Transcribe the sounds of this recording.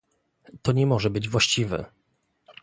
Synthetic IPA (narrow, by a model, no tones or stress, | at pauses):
t̪ɔɲɛmɔʐɛbɘd͡ʑvwaɕt͡ɕivɛ̰